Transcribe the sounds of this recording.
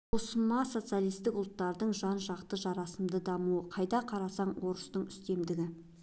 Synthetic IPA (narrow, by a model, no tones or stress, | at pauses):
ʊsəmɑso̞t̪sɨjalˠijst̪ɪkʊlˠt̪ːɑɾd̪əɴʒɑnʒɑqt̪əʒɑɾɑsəmd̪əd̪ɑmuəqʰɑjd̪ɑqʰɑɾɑsɑɴwo̞ɾəst̪əɴʏst̪e̞md̪ɪɡʲɪ